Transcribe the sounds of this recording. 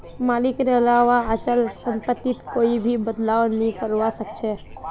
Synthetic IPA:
maːlɪkneəlaːʋaət͡ʃəlsə̃mpət̪ːɪt̪koːibʱibəd̪laːʋnəɦĩkəɾʋasəkt͡ʃʰe

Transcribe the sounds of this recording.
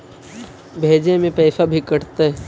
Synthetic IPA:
bʱeːd͡ʒemẽpɛːsabʱikəɽt̪aɦɛ

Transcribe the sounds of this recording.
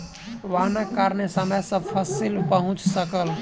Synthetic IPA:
ʋanəkːaɾnesəməjsəb̚pʰəsilpəɦʊ̃t͡ʃsəkəl

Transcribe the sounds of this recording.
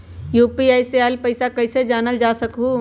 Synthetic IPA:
juːpiaːjsealpəɪsakəɪsed͡ʒaːnəld͡ʒaːsəkɦu

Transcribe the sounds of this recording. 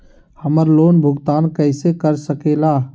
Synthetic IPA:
həməɾloːnbʱʊɡt̪aːnkəɪsekəɾsəkeːlaː

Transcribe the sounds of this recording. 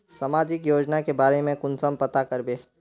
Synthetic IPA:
sɐmaːd͡ʒɪkjoːd͡ʒnakebaːɾemẽkʊnsəmpɐt̪akɐɾbeː

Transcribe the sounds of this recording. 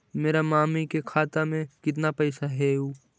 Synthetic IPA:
meːɾamaːmikekʰaːt̪amẽkɪt̪̬napɐɪsaɦeuː

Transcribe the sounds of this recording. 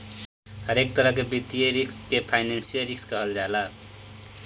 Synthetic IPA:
hʌɾekt̪ʌɾʌkebit̪ijʌɾikskepʰajnansijʌɾikskʌɦʌld͡ʒala

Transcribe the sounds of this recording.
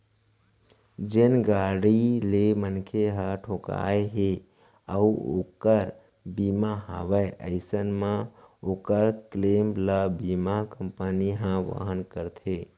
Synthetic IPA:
d͡ʒenɡaɽilemənkʰeɦəʈʰoka̰eɦe | əuo̰kəɾ | bimaɦa̰ʋəeə̰ɪsənmãokəɾklemləbimakəmpəniɦãʋə̰ɦənkəɾt̪ʰe

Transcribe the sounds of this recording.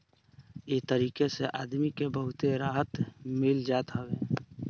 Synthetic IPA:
eːt̪əɾiːkeseʔaːd̪mikebəɦʊt̪eɾaːɦət̪mɪld͡ʒaːt̪ɦəbeː

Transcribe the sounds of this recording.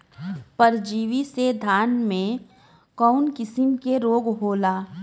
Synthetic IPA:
pɐɾd͡ʒiːʋised̪ʱaːnmẽ | kɔːnkɪsɪmkeɾoːɡɦoːlaː

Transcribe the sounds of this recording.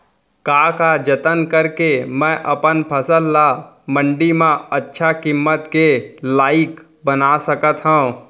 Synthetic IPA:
kaːkad͡ʒət̪ənkəɾkemɛ̃ːʔɐpənpʰəsəlːa | mə̃ɳɖimãətːʃʰakɪmːət̪kelaːɪk | bənasəkət̪ɦõũ

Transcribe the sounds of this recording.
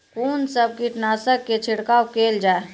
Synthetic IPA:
kuːnsəb̚kiʈnaːsəkːet͡ʃʰɪɽkaːokeːld͡ʒaːe

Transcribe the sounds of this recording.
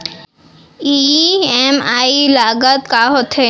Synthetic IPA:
iɛmaːilaːɡət̪̚kaɦot̪ʰe

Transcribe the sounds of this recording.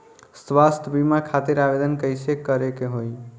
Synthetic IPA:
swast̪ʰəbimakʰat̪iɾabed̪ənkəjsekəɾekeɦoj

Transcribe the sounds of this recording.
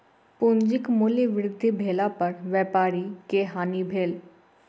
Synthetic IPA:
pʊnd͡ʒɪkmuliʋɪɾɪd̪ʱːibʱeːlapɐɾʋjɛːpaːɾikeɦaːnibʱeːl

